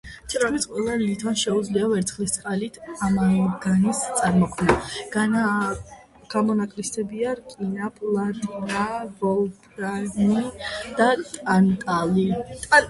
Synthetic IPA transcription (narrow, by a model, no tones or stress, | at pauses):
t̪ʰʼɾamisqʼwɛlˠalit̪ʰanʃɛud̪zliavɛɾt̪sʰχlist̪sʼqʼalit̪ʰamaɡanist̪sʼaɾmɔkʰmnaɡ̥ana | ɡ̥amɔnakʼlist̪ɛbiaɾkʼinapʰlˠaɾabɔlˠpʰɾanid̪̥at̪ʼant̪ʼalit̪ʼ